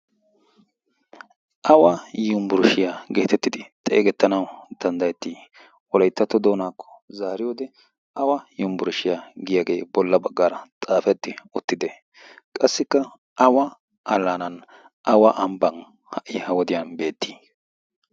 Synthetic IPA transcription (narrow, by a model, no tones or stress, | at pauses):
ʔɐwɐjʊmbʊɾʃɪjaɡeːt̪ɛt̪ːɪd̪ɪt̪ʼḛːɡɛt̪ːɐnɐwd̪̥ɐnd̪ɐjɛt̪ːiː | wɔlɐjt̪ːɐt̪ːɔd̪o̞ːnaːkːɔ̥zaːɾɪjoːd̪ɛ | ʔɐwɐjʊmbʊɾʊʃɪjaɡɪjaɡe̞ːbɔlːɐbɐɡːaːɾɐt̪ʼaːfɛd̪ːɪʊt̪ːɪd̪ɛ | kʼɐsːɪkːɐ | ɐwɐ | ɐlːanɐn | ʔɐwɐʔɐmbɐn | hɐʔːɪhɐwɔd̪ɪjanbe̞ːt̪ːi̥ː